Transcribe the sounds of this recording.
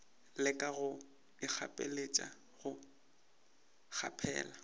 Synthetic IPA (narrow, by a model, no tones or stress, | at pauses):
lɪkʼaɣʊ | ɪk͡xʰa̰pʼḛlet͡ʃʼa̰ | ɣʊ | k͡xʰa̰pʰɛ̰ːla